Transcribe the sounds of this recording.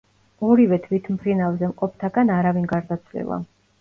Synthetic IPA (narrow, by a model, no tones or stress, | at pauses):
ɔɾivɛt̪ʰvit̪ʰmpʰɾinavzɛmqʼɔpʰt̪ʰaɡanaɾavinɡaɾd̪at̪sʰlɛ̰lˠa̰